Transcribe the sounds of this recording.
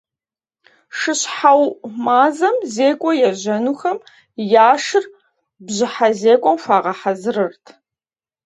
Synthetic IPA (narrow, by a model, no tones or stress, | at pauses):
ʂɨɕħawmaːzɐmzeːkʷʼɔjɛʑɐnuːxɐm | jaːʂɨr | bʑɪħazeːkʷʼɔmfʷaːʁɐħazɨrɨrtʰ